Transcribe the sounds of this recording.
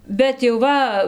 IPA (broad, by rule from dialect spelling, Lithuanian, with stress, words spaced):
bʲɛt jɛʊ ˈʋɐ